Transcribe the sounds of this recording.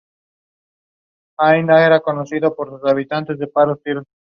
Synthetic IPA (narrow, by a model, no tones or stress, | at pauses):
ajnaeɾakonosiðopoɾsusaβit̪ant̪e̞zðepaɾost̪iɾ